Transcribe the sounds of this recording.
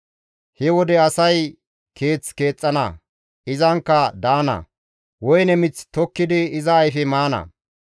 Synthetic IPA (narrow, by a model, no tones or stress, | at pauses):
hɛwɔd̪ɛɐsɐj | kʰe̞ːt͡ske̞ːt͡sʼːɐnɐ̰ | ɪzɐŋkːɐd̪aːnɐ̰ | wɔjnɛmɪt͡st̪ɔkːɪd̪ɪːzɐːjfɛmaːnɐ̰